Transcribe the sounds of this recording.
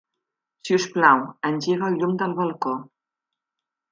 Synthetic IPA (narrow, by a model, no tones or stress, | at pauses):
siusplawənʲʒiɣəʎumd̪əlˠβəlˠko